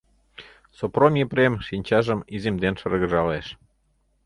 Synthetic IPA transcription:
sopɾomʲjepɾemʃinʲt͡ɕɑʒəmizemd̪enʃərɣə̆ʒɑleʃ

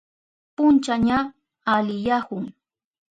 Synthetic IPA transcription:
pʊnt͡ʃaɲa | alɪjahʊŋ

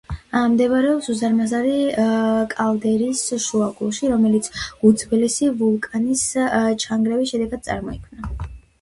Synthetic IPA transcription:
amd̪ɛvɾɛɔpsuzaɾmazaɾi | kʼald̪ɛɾisʃuaɡulˠʃiɾɔmɛlit̪sʰud̪zbɛlisivulˠkʼanist͡ʃʰaŋɡɾɛvisʃɛd̪ɛɡad̪̚sʼa̰ɾmɔikʰvmna

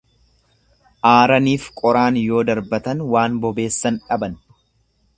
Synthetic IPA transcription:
ʔaːɾɐniːfkʼɔɾaːnjo̞ːd̪ɐɾbɐt̪ɐnwaːnbɔbe̞ːsːɐnᶑɐbɐn

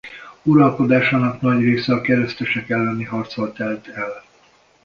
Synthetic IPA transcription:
uɾɒlko̞d̪aːʃaːnɒknɒɟreːsɛɒkɛɾɛst̪ɛʃɛkɛlːɛniɦɒrt̪solt̪ɛlt̪ɛl

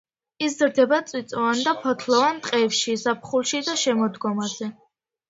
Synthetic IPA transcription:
iszɾd̪ɛbat̪sʼwit̪sʼɔand̪apʰɔt̪ʰlɔvant̪ʼqʼɛpʃizap̚ʰχulˠʃid̪aʃɛmɔd̪ɡɔmazɛ

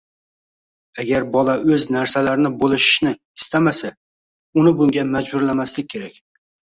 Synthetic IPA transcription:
aɡʲaɾbɒlaɵznaɾsalaɾɪnɪbolˠɪʃɪ̥ʃnɪ | ɪst̪amasa | ʊnɪbʊŋɡʲamad͡ʒbʊɾlamaslɪk̚ʲʰːe̞ɾak̚ʲ

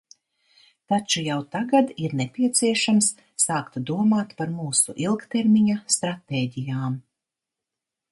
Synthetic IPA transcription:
t̪at͡ʃujawt̪aɡad̪iɾnepʲiɛt̪siɛʃamsː | aːkt̪d̪uɔmaːt̪paɾmuːsuʔilˠkt̪eɾmiɲast̪ɾat̪eːɟijaːm

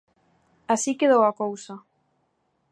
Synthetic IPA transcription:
asikeðowakowsa

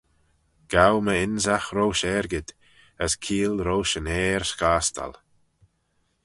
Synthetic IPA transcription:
ɡ̥awməɪnzaxɾowʃɛɾɡɪd̪ | əskʰiːlɾowʃənɛːɹskaːst̪a̰l

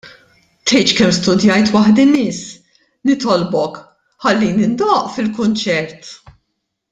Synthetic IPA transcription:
t̪ɛjt͡ʃkɛmst̪ʊd̪jɐjt̪wɐħd̪ɪmɪsː | nɪt̪ɔlbɔk | ħɐlːinɪnd̪ɔːʔfɪlkʊnt͡ʃɛɾt̪

